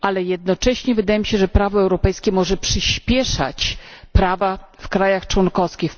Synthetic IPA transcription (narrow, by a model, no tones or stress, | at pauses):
alɛjɛd̪̚nɔt͡ʂɛɕɲɛvɘd̪ajɛmiɕɛʐɛpɾavɔɛwɾɔpɛjskʲɛmɔʐɛpʂɘɕpʲjɛʂa̰t͡ɕpɾavafkɾajaxt͡ʂwɔnkɔskʲix